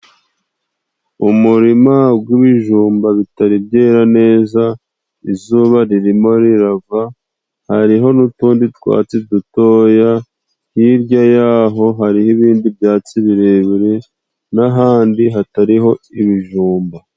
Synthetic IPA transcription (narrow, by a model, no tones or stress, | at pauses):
umuɾimabɡiβiʒuːmbaβitaɾibjeːɾane̞ːza | izuːβaɾiɾimo̞ɾiɾava | haɾiɦo̞nutuːnditwa̰ːt͡sidutoːja | hiɾɟajaːɦo̞ɦaɾihiβiːndiβbjaːt͡siβiɾeβiɾe | naɦaːndiɦataɾiɦo̞iβiʒuːmba